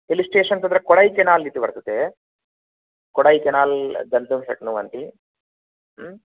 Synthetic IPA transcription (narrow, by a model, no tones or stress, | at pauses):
pelisʈeːʂɐnsɐnd̪ɾɐkɔɽɐjkɛnaːlːit̪ːubɐɾt̪ut̪ːe | kɔɽɐjkɛnaːld̪ɐnd̪umsɐ̰knuːʋɐnt̪i